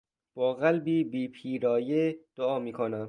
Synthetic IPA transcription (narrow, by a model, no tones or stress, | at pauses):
b̥ɒːɣælbiːbiːpʰiːɾɒːjed̪̥oɒːmiːkʰonæm